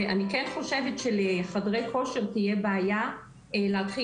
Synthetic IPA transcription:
anikɛnχo̞ʃevet̪ʃeleχadʁejko̞ʃe̞ʁt̪ijebeaja | leatχi

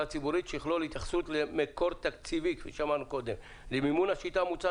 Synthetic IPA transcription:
at͡sibuʁit̪ʃeiχlolhit̪jaχsut̪lemeko̞ʁt̪akt͡sivikvḭʃamanuko̞d̪em | limimunaʃit̪amut͡sa

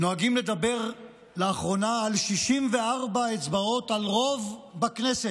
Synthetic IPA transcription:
noaɡimle̞d̪abe̞ʁ | leaχʁo̞naːlʃiʃimve̞aʁbaet͡sbao̞t̪alʁo̞vbakneset

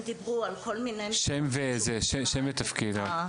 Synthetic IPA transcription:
d̪ibʁualkolmineʃɛmvezeʃeʃemvet̪afkid̪a

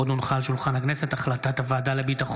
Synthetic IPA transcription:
od̪nunχalʃulχanhakneset̪aχlat̪at̪avaːd̪alebit̪aχ

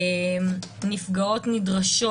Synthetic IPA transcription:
mnifɡao̞tnidʁaʃo

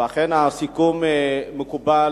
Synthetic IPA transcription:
aχenasikumemekuba

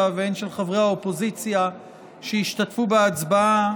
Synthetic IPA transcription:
avenʃelχavʁehaopo̞zit͡sja | ʃeiʃtatfubeat͡sbaa

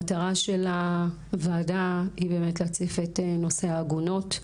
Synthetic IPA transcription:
ataʁaʃe̞la | vaːdaibe̞ːmetlat͡sefeteno̞seaːɡuno̞t

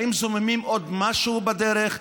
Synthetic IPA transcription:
imzʊmɪmimɔdmaʃubadɛɾəχ

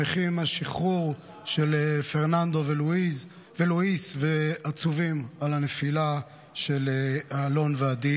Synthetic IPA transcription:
eχimaʃiχuʁ | ʃelefeʁnand̪o̞veluiz | veluisveat͡suvimalanefila | ʃeleaːlo̞nvead̪i

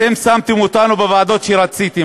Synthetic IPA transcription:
emsamt̪emot̪anubevaːd̪o̞t̪ʃeɾat͡sit̪i

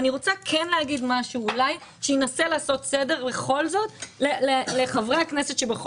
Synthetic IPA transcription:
aniʁo̞t͡sakʰenleɦaɡid̪maʃuːlaj | ʃejenaselaːso̞tsede̞ʁbe̞χo̞lzo̞tleleleχavʁeaknese̞t̪ʃebeχ

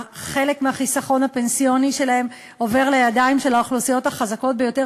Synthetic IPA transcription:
χe̞le̞kmeaχisaχo̞nape̞nsijo̞niʃe̞lahe̞m | o̞ve̞ʁlejadaimʃe̞laoχlusijo̞thaχazako̞t̚be̞jo̞te

